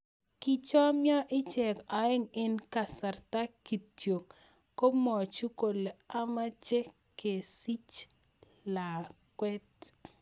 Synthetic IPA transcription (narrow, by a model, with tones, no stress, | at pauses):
ki˦t͡ʃɔ˦mjɔ˦ʔɪ˦t͡ʃɛ˨ka˨ɪ˦ŋɪ˦nka˨sa˨rta˦ki˨tjo˨ŋ | ko˦mɔ˨t͡ʃu˦ko˨le˨a˦ma˦t͡ʃe˦ | ke˨si˦t͡ʃ | la˨kwɛ˦t